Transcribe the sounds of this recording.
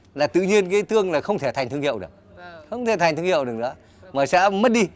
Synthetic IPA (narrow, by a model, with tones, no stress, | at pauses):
laː˨˩t̪ɨ̰˧˨ɲi˧ənk̬aː˨˦jt̪ɨ˧əŋlaː˨˩xə˧wŋ͡mt̪ʰe˧˩t̪ʰa˨˩ŋ̟t̪ɨ˧əŋi˧˨wɗɨ˨˩ək̚xə˧wŋ͡mt̪ʰe˧˩t̪a˨˩ŋ̟t̪ɨ˧əŋhḭ˧˨wɗɨ˨˩əknɨ̰˧˥ə | maː˨˩sɛ̰˧˥mə˦˥t̚ɗi˧